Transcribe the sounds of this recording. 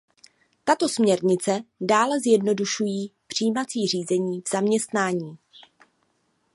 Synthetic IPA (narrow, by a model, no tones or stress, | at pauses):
t̪at̪o̞smɲɛɾɲɪt͡sɛdaːlɛzjɛdno̞duʃujiːpr̝̥ijːmat͡siːr̝iːzɛɲiːvz̥amɲɛst̪naːɲiː